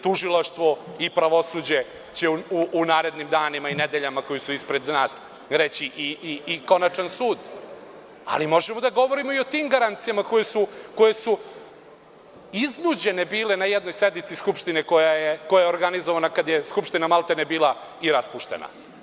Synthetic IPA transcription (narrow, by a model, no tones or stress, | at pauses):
t̪uʒilˠaʃt̪ʋo̞ipɾaʋo̞suːd͡ʑe̞ | t͡ɕeuuʔːnaːɾe̞d̪nimd̪aːnimained̪eʎamako̞jisuispɾe̞d̪naːs | ɾet͡ɕiʔiiːko̞nat͡ʂansuːd̪ | a̰limo̞ʒemo̞d̪aɡo̞ʋo̞ɾimo̞io̞t̪iːmɡaɾant̪sijamako̞jesuko̞je̞su | iznud͡ʑe̞ne̞biːlenajɛd̪nojsed̪nit̪siskupʃt̪ineko̞jajekojajeoɾɡanizoʋanakad̪jeskupʃt̪inamalˠt̪enebiːlˠa | iɾaspuʃt̪e̞̰na̰